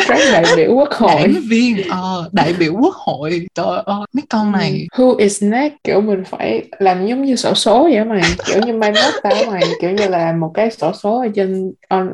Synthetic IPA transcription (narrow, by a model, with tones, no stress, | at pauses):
za˦˥k̚ɗa̰ː˧˨jɓḭ˧˩˨əwku˦˥ək̚ho̰˨˧˨jvi˧ənʔəː˨˩ɗa̰ː˧˨jɓḭ˧˩˨əwku˦˥ək̚ho̰˧˨jt͡ɕɔ˧ʔma˦kɔ˧nna˨˩jhu˧ʔi˨˩znɛ˦˥ki˧˩əwmï˨˩ŋ̟fa̰ː˧˩jlaː˨˩mzo˨˦wŋ͡mɲɨ˧so̰˧˩so˨˦zɛ̰˧˩ma˨˩jki˧˩əwɲɨ˧maː˧mə˦˥t̚t̪aː˧˩˦wma˨˩jki˧˩əwɲɨ˧laː˨˩mo˨˩t̚kaː˨˦jso˧˩so˨˦ʔə˧˩t͡ɕe˧nʔɔ˧n